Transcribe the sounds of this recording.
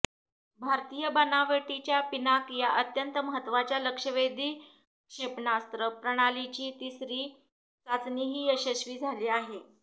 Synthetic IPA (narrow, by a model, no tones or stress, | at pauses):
bʱaɾt̪ijəbənaʋəʈit͡ɕjapinakjaʔət̪jənt̪əməɦət̪ːʋat͡ɕjaləkʂəʋed̪ʱiː | kʂepɳast̪ɾəpɾəɽ̃alit͡ɕiːt̪isɾiː | sat͡sniɦiːəɕəɕʋiːd͡zʱaliːaɦe